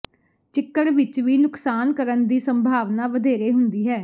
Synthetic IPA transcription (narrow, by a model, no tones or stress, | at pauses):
t͡ʃɪkːəɽʋɪt͡ʃʋiːnʊksaːnkəɾənd̪iːsəmbʱaːʋnaːʋəd̪eːɾeːɦʊnd̪iːɦɛː